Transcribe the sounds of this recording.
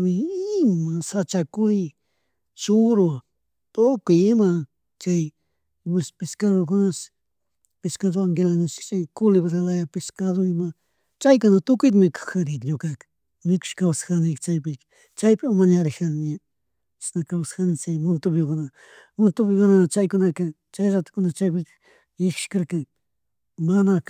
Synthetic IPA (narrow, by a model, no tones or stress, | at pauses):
mɪɪmasat͡ʃakʊj | t͡ʃʊɾʊ | t̪okʊjɪma | t͡ʃaj | wespɪskaðokʊnas | pɪskaðoaŋɡelanat͡ʃt͡ʃajkʊlɪβasalajapɪskaðoɪma | t͡ʃajkʊnat̪ʊkʊjt̪mɪkḁxaɾɪt̪ɲokak | mɪkʊ̥ʃkawsḁxanɪkt͡ʃajpɪk | t͡ʃajpɪmaɲaɾɪxanɲe | snakawsxanɪt͡ʃajmʊnt̪ʊpjɪkʊna | mʊnt̪ʊpɪkʊnat͡ʃajkʊnaka | t͡ʃajɾat̪ɪ̥kʊnast͡ʃajpɪ | ɪkɪ̥ʃkaɾkaŋ | mana